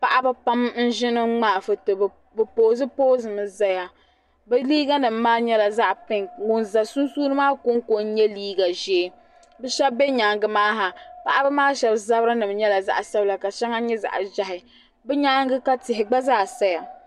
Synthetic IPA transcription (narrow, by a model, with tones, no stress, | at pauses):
pa˦ʔa˦bɨ˦pa˦mn̩˦ʒɪ˦nɨ˦ŋ͡maː˦˨fɨ˨tɨ˨ | bɨ˨poː˨zɨ˦poː˦zɨ˨mɨ˨za˦ja˨ | bɨ˦liː˦ɡa˦nɨ˨m̩ː˦aː˦ɲɛ˦la˨za˦ʔpɪ˦˨ŋwo˨nza˨su˦nsuː˦nɨ˦maː˦kʊ˦ŋ˦ko˨˦n̩˦ɲɛ˦liː˦ɡa˨ʒe˨ | bɛ˦ʃɛ˦bbɛ˦ɲaː˨ŋɡɨ˦˨maː˦ɦa˨pa˦ʔa˦bɨ˦maː˦ʃɛ˨bza˦bɾɨ˦nɨ˨bɲɛ˦la˨za̰˦ʔa˨sɛ˦bla˨ka˨ʃɛ˦ŋa˦ɲɛ˦za̰˨ʔʒa˦ɦɪ˨ | bɛ˦ɲa˦ŋ˦ɡɨ˦ka˦tɪ˨ɦɪ˨ɡ͡ba˦zaː˦˨sa˦ja˨